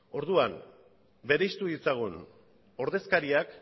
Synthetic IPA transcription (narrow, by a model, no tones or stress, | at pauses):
o̞ɾðuam | be̞ɾejst̪uðit͡saɣ̞un | o̞ɾðe̞skaɾiak